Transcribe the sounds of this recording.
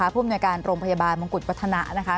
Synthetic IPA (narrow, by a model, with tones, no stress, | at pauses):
aː˨˦pʰuː˥˩mnu˧jkaː˧nɾoː˧ŋpʰa˧jaː˧baː˧nba˧ŋku˨˩t̪̚wt̪ʰːa˧na˦˥ʔna˦˥kʰa˦˥